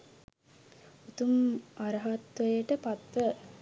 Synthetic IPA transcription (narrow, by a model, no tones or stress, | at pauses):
ut̪umaɾəɦat̪ʋəjəʈəpat̪ʋə